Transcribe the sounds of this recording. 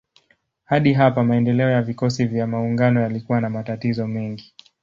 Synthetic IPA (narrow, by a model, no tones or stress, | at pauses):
haɗiɦapamaɛndɛlɛɔjavikɔsivjamauŋɡanɔjalikuwanamatatizɔmɛŋɡi